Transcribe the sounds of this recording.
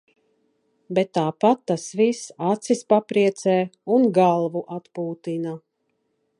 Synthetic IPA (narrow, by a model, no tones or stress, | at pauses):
bet̪ːaːpat̪ːasvisat̪sispapɾiɛt̪sɛːunɡalˠvuʔat̪puːt̪ina